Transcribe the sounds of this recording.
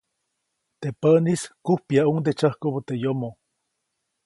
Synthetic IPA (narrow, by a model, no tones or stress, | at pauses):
t̪epaniskuhpjaund̪et͡ʃahkoβot̪ejomo